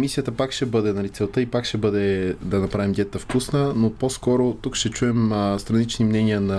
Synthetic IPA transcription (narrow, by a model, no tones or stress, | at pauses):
misijət̪əpakʃɛbɤd̪ɛnɐlit̪sɛlˠt̪əipakʃɛbɤd̪ɛd̪ɐnɐpɾavimd̪ʲɛt̪əfkusnənoposkɔɾot̪ukʃt̪ɛt͡ʃuɛmst̪ɾɐnit͡ʃnimnɛniənɐ